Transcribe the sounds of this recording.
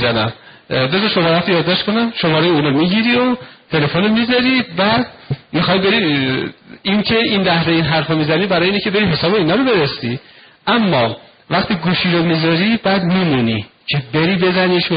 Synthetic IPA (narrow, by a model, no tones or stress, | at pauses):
zænæm | be̞zɒʃomɒːɾɦæt̪ʰːojɒːd̪ːɒːʃt̪kʰonæmʃomɒːɾejeuːnomiɟiɾiot̪ʰe̞le̞fonomizɒɾibæd̪̚mixɒːjbe̞ɾi | incʰe̞inlæhzeinɦæɾfomizænibæɾɒːjeinecʰʲe̞be̞ɾiɦe̞sɒːbeiːnɒːɾobe̞ɾesiʔæmːɒ | væχt̪ʰiːɡuːʃiːɾomizɒɾibæːd̪mimunicʰe̞be̞ɾiːbe̞zæniʃ